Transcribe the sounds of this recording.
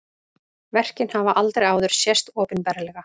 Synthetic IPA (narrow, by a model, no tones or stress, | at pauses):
vɛr̥cɪnhavaʔalt̪ɾejɣaːwðʏɾ̥sjɛst̪ɔːpɪnpɛːɾalɛɣa